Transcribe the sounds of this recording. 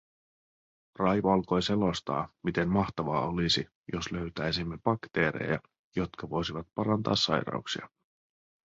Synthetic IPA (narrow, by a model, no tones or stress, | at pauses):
rɑjʋoɑlko̞jse̞lo̞st̪ɑ̰ːmit̪e̞mmɑht̪ɑʋɑːo̞lisi | jo̞slø̞ɥt̪æjsimːeb̥ɑkt̪e̞ːɾe̞̰jɑ̰ | jo̞t̪kɑʋo̞jsiʋɑt̪̚pɑɾɑnt̪ɑ̰ːsːɑjɾɑ̰uksiɑ̰